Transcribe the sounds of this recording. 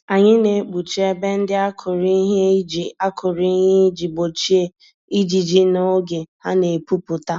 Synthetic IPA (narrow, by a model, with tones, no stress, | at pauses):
a˨ɲɪ˦ne˨k͡pu˨t͡ʃi˦e˦be˦n̩˦dɪ˦a˦kʰʊ˨ɾi˦ɦe˦d͡ʒi˨a˦kʰʊ˨ɾi˦ɦe˦d͡ʒi˨ɡ͡bo˨t͡ʃi˦e˦ | i˦d͡ʒi˨d͡ʒi˦no˦ɡe˨ha˦ne˨pu˦pʊ˨ta˦